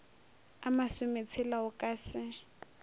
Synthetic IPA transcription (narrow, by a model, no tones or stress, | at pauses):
amasʊmet͡sʰɪlaʊkʼaːsɪ